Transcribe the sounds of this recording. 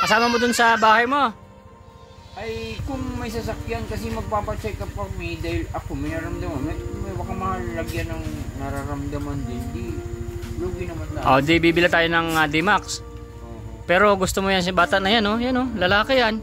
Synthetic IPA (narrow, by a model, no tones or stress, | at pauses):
kɐsaːmɐmod̪ʊnsɐbaːhɐjmo | ʔɐjkʊŋmɐjsɐs̬ɐkjankɐs̬ɛmɐɡ̚paːpɐt͡ʃɛkːɐpɐɡ̚mild̪aːhɪlɐkomɐjnɐɾɐmd̪ɐmanɐmɐbɐkamɐallɐɡjanɐŋnɐɾaɾɐmd̪ɐmand̪ɛnd̪i | luːɡɪnɐmanlaʔod̪ɪbiːbɪlat̪aːjonɐŋad̪ɪmaks | pɛːɾo̞ɡʊst̪omojansbaːt̪ɐʔnɐjanːo̞jano̞lɐlaːkɪjan